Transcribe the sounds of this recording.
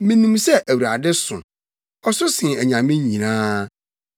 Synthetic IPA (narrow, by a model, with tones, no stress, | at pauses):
mɪ̃˦nũ˨msɛ˦ʔæ˨wɾa˨dɪ˦sʊ̰̃˨ | ɔ˦sʊ˦sɪ̃˨æ˨ɲã˨mɪ̃˦ɲĩ˨nãː˦